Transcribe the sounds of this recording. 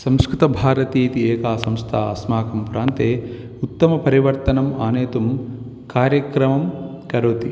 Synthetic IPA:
sɐ̃mskɾit̪ɐbʱaːɾɐt̪iːt̪ieːkaːsɐmst̪ʰaːɐ̰smaːkɐmpuɾaːnt̪eː | ut̪ːɐmɐpɐɾiʋɐɾt̪ɐnɐmaːneːt̪um | kaːɾjɐkɾɐmɐm | kɐɾoːt̪i

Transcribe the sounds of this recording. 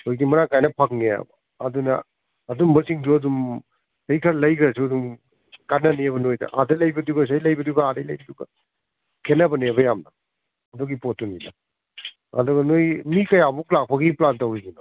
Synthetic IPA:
ojdimɐnakajnɐpʰak̚neja̰bɐ̰ | ɐdunɐ̰ː | dumbɐsiŋduɐdum | sejkʰɐɾlɐjkɾɐsiɐdum | kanɐnijɐβɐnojdɐ̰ʔadɐlɐjbɐduɡɐs̬ɐjlɐjbɐduɡɐadɐjlɐjbɐduɡɐ̰ | kʰenɐbɐniebɐjamnɐ | ɐdɔɡipot̚ːuninɐ | ɐ̰dɔɡɐnojmikɐjabuklak̚pʰɐɡiplantɐwijɡino

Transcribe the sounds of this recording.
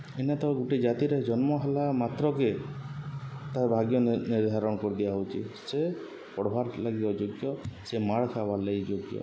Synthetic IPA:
enat̪ɔɡuʈed͡ʒat̪iɾed͡ʒɔnmɔɦalamat̪ɾɔke | t̪aɾbʱaɡjɔniɾd̪ʱaɾɔɽɔkɔɾid̪ibaɦowt͡ʃʰḭse | pɔɽɔbʱaɾlaɡiɔd͡ʒoɡjɔsemaɽkʰabalejd͡ʒoɡjɔ̰

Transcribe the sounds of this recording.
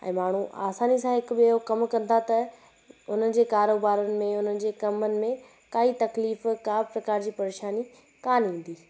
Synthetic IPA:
ɛ̰̃ːmaːɳ̤uʔa̰ːsaːnisãɦɪkʊbɪɦokɐmkɐ̃n̆d̪ʱat̪ɐ | ʊn̤ənɪ̆d͡ʑeːkaːɾoːbaːɾənɪ̆mẽʊn̤ənɪ̆d͡ʑeːkɐmənɪ̆mẽ | kaːit̪ɐkliːfkaːpɾɐkaːɾd͡ʑiːpɐɾeːʃaːni | kaːnɦĩːn̆d̪iː

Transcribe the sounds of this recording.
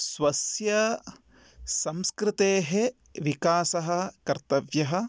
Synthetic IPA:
swɐsjɐ | sɐmskɾɪt̪eːɦe | ʋikaːsɐɦɐkɐɾt̪ɐʋjɐɦɐ̆

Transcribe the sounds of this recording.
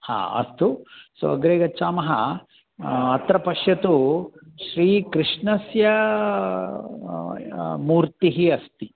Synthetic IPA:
ha̰ːɐ̰st̪uso̰ːɐɡɾeːɡɐt͡ʃːaːmɐɦɐ | ɐt̪ɾɐpɐʂjɐt̪uʃɾiːkɾiʂɳɐsjɐ | muːɾt̪iɦiɐst̪i

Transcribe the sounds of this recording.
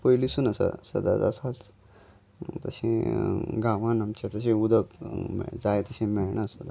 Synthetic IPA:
pəjlisuːnəsə̰sə̰d̪a̰d͡za̰sat̪ | t̪əɕẽɡaʋãnamt͡ɕet̪əɕẽud̪əkmɛ̰d͡zajt̪əɕẽmɛɭɳasəd̪a

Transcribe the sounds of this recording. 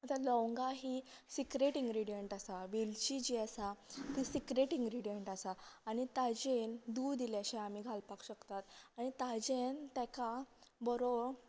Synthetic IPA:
ət̪alɔ̃wŋɡaɦisikɾeʈĩŋɡɾiɽijəɳʈasaʋilt͡ɕid͡ʑiəsat̪isikɾeʈĩŋɡɾiɽijəɳʈasaːɽ̃it̪ad͡ʑend̪ud̪ilaɕɛ̃am̤iɡʱalpakɕəkt̪at̪aɽ̃it̪ad͡ʑent̪ɛkabɔɾo

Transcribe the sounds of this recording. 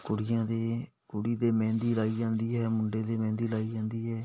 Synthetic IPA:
kʊɽɪjãːd̪eː | kʊɽiːd̪eːmɛ̃ːnd̪iːlaːiːd͡ʒãːnd̪iːɦɛːmʊɳɖeːd̪eːmɛ̃ːnd̪iːlaːiːd͡ʒãːnd̪iːɦɛː

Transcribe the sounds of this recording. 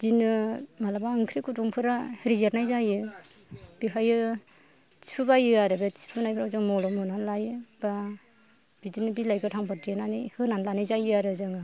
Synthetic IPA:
dinɯmalabaɯŋkʰɾikutɔŋpʰɯɾahɾizeɾnajzajɯ | b̥iɦajɯ | t͡ʃi̥pʰɯbajɯaɾɯbet͡ʃi̥pʰɯnajpʰɾawzɯŋmɔlɔmhɯnanlajɯba | b̥idinɯbilajɡɯtʰaŋpʰaɾdijenanijhɯnanlanɯjzajɯaɾɯzɯŋɯ

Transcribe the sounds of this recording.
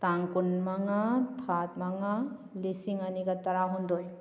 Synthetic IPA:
taŋkunmaŋatʰat̚maŋalisiŋaniɡataɾaɦundɔj

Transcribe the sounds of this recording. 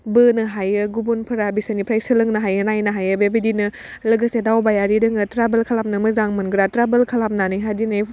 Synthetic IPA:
bɯnɯɦajɯɡubunpʰɯɾabisanipʰɾajsɯlɯŋnɯɦajɯnajnɯɦajɯbebidinɯ | lɯɡəsedawbajaɾidɯŋɯtɾabəlkʰalap̚nɯmɯzaŋmɯnɡɾatɾabəlkʰalap̚nanɯjɦadinɯj

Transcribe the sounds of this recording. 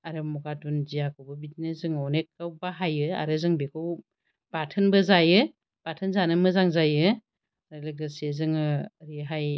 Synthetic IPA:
aɾɯmɔɡatunzijakʰɯwbɯbitnezɯŋɔnekʰːawbaɦajɯa̰ɾɯzɯŋbekʰɯw | b̥atʰɯnbɯzajɯ | b̥atʰɯnzanɯmɯzaŋzajɯ | z̥alɯk̚dɯsezɯŋɯɾiɦaj

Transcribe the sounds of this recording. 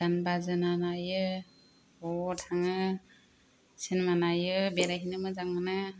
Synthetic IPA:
anbazɯnanajɯ | ɔtʰaŋɯ | sinmanajɯbɛɾaɦinɯmɯzaŋɯna

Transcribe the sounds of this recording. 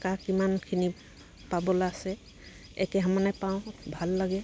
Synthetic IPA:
kakimankʰini | pabɔlaːsɛ | ɛ̰kɛɦəmanajpaʊ̃bʱalːaɡɛ

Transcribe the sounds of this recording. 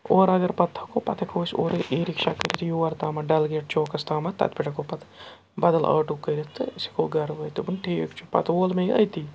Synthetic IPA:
oːɾɐɡɐɾpɐt̪ʰːɐ̥koːpɐt̪ʰɐkʰoːso̰ːɾiːɾikʃaːkɐɾit̪ʰijuːɐɾt̪aːmɐɖɐlɡeːʈ̚t͡ʃoːkɐst̪aːmɐt̪ɐ̰t̪piʈɐkoːpɐt̪ʰ | bɐd̪ɐlɐ̰ːʈukːɐjɾit̪ɨsi̥koːɡɐɾʋɐjt̪ubunʈʰiːḭkt͡ʃʰupɐ̰t̪oːlmeɐ̰jt̪iː

